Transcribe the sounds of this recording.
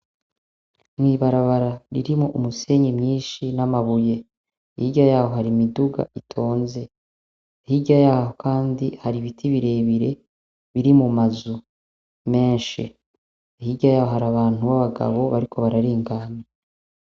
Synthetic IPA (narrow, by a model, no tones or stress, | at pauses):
mwiːβaɾaβaɾaɾiɾimoʔumuse̞ɲimɲiːnʃinamaβuje̞ | hiɟajaːho̞ɦaɾimiduɡa̰ʔitʰo̞ːnze̞ | ihiɟajaːhokʰaːndihaɾiβitʰiβiɾe̞ːβiɾe̞ | βiɾimumazu | me̞ːnʃḭ | ihiɟajaːhohaɾaβaːn̥uβaβaɡa̰βo̞βaɾikʰo̞βaɾaɾiːŋɡaːme